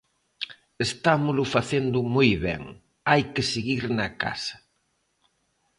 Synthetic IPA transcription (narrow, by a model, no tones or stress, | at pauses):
est̪amʊlʊfaθend̪ʊmujβɛ̰ŋ | ajkɪseɣiɾnɐka̰sɐ̥